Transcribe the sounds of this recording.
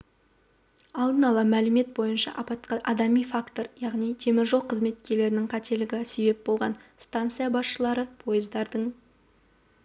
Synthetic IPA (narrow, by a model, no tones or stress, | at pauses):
ɑlˠd̪ənɑlˠɑmælɪme̞t̪̚bo̞jənʃɑ̰ʔɑpɑt̪qɑʔɑd̪ɑmijfakt̪o̞ɾjɑʁnijt̪ʰe̞mɪɾʒo̞qʰəzme̞t̪kʲe̞ɾle̞ɾɪnɪŋqʰɑt̪e̞lɪɡʲɪse̞be̞p̚bo̞lˠʁɑnst̪ant̪sɨjabɑsʃəlˠɑɾəpʰo̞jəzd̪ɑɾd̪əɴ